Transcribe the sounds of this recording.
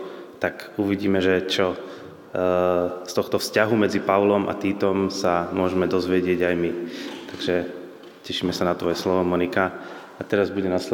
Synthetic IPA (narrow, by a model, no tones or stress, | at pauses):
t̪akuʋiɟiːmɛʒɛt͡ʃɔ | st̪ɔxt̪ɔfscaɦumɛd͡zipaʊlɔmʔa̰t̪iːt̪ɔmsamʊɔʒɛmɛd̪ɔzʋɪɛɟɪɛɟajmit̪aɡʒɛ | cɛʃiːmɛsanat̪ʋɔjɛslɔʋɔmɔnika | at̪ɛɾazbuɟɛnasɛ